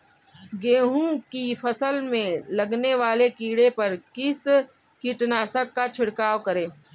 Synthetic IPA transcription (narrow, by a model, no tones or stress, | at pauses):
ɡeːɦũkifɐsəlmẽlɐɡneʋaːlekiːɽepɐɾkɪs | kiʈnaːsəkːat͡ʃʰɪɽkaːʋkɐɾẽː